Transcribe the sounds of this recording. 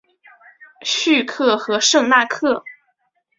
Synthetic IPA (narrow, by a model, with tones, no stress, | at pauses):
ɕy˥˧kʰɤ˥˩xɤ˧˥ʂɤ˥˧ŋna˥˧kʰɤ˥˩